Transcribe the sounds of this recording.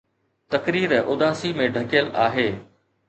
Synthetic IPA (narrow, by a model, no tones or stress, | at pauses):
t̪ɐkɾiːɾʔʊd̪aːsimẽɖʱɐkɪjəlʔa̰ːɦeː